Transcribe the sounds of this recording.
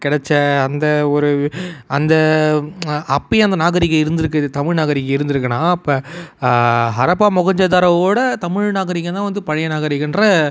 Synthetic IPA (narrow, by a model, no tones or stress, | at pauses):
kɪɽɛt͡ʃːɐɐnd̪ɐɔɾɯɐnd̪ɐ | ɐpːɪɐnd̪ɐnaːɣɐɾɪkːɐɪɾɯnd̪ɪɾɯkːɯt̪ɐmɪɻnaːɣɐɾɪkːɐɪɾɯnd̪ɯɾɯkːɐnãːɐpːɐ | ɦɐɾɐpaːmɔɣɐɲd͡ʒɐðaːɾɐʋoːɽɐt̪ɐmɪɻnaːɣɐɾɪkːɐt̪ãːʋɐnd̪ɯpɐɻɐjɐnaːɣɐɾɪkːɯndrɐ